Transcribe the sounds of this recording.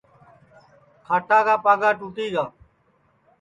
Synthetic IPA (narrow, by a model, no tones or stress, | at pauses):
kʰaːʈaːɡaːpaːɡaːʈuːʈiːɡaː